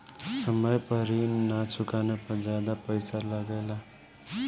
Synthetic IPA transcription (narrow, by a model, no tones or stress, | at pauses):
səməjpəɾinat͡ʃʰʊkanepəɾd͡ʒaːd̪apəɪsaləɡeːla